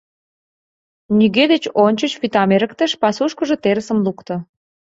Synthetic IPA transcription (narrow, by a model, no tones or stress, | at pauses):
nyɣed̪et͡ɕonʲt͡ɕət͡ɕβit̪ɑmeɾə̆kt̪əʃpɑsuʃkəʒĕt̪eɾəsəmlukt̪ɤ̆